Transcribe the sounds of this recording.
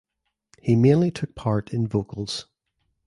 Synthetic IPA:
himẽnlˠitʰʊk̚pʰaɹʔɪ̃nvokəlˠz̥

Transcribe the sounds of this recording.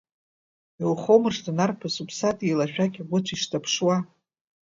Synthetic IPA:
elχomɨrʂtanarpʰasupʰsatʼilaʃᶣakʲaɡʷʊt͡ɕʷʰiʂtʰapʰʂwa

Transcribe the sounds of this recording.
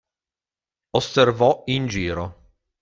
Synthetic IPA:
oservɔind͡ʒiːɾo

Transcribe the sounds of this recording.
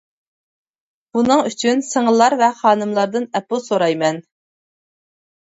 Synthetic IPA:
b̥unɨŋyt͡ʃʰynsəŋəlˠːɑɾvɛχɑːnɨmlˠɑɾd̪ɨnɛpusoɾɑjmɛn

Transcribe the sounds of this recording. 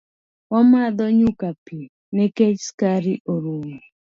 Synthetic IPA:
ɔmad̪ɔɲukapi | nɛket͡ʃskaɾiʔoɾuŋ

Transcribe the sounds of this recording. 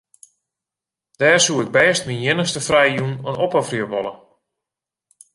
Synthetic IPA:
d̥ɛːrsuɪɡ̚bɛːstminjɪnəxstəfrɛjjunənopəfrəʋɔlˠə

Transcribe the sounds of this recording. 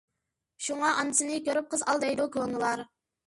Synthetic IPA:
ʃuŋɑʔɑnɨsɨnɨkʲøɾyp̚qʰəzɑlˠd̪ɛjd̪ukʰonɨlˠɑɾ

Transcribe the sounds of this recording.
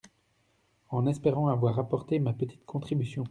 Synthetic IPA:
ɑ̃nɛspeʁɑ̃avwaʁapɔʁt̪emapət̪ʰi̥t̪kʰɔ̃t̪χibysjɔ̃

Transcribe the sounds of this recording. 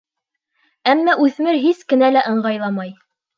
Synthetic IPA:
æmːæʔʉθmɘɾɦiskɘ̆nælæʔɤ̆ɴɢɑjlˠɑmɑj

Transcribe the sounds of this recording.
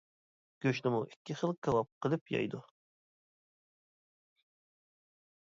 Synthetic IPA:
ɡ̥ʲøʃnɪmuʔikʲʰːiχəlˠkʲʰɑwɑp̚qʰəlˠɨpjɑ̰jd̪u

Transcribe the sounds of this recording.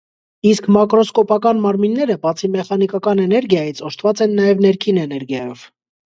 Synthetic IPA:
iskmɑkɾɔskɔpɑkɑnmɑɾminːɛɾəbɑt͡sʰimɛχɑnikɑkɑnɛnɛɾɡjɑjit͡sʰɔʃt̪ʰvɑt͡sɛnːɑjɛvnɛɾkʰinɛnɛɾɡjɑjɔv̥

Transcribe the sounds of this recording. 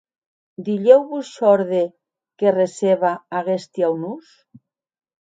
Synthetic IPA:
d̪iʎewβusʃɔɾðe | kereseβaaɣest̪jawnus

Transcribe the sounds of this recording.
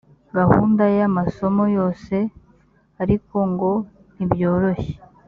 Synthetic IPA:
ɡahṵːndajamaso̞mo̞jo̞ːse̞ | aɾiko̞ŋɡo̞ | nibjo̞ːɾoçe̥

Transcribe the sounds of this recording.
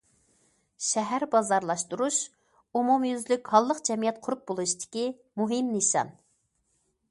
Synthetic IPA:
ʃɛɦæɾbɑzɑɾlˠɑʃt̪uɾuʃ | umumjyzlykʲhɑlˠːəqd͡ʒɛmijɛt̪̚qʰʊɾup̚bolˠuʃt̪ʰɪ̥kʲi | muɦɪmnɨʃɑ̰n

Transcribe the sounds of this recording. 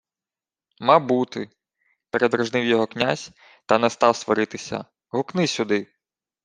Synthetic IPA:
mɑbut̪ɪ | peɾed̪ɾɔʒnɪwjɔɦɔknʲazʲ | t̪ɐnɛst̪ɑwst̪ʋɔɾɪt̪ɪsʲɐ̰ | ɦʊknɪsʲʊd̪ɪ

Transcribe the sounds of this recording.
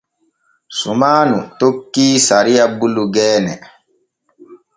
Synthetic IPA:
sumaːnutokːiːsaɾijabuluɡɛːnɛ̰

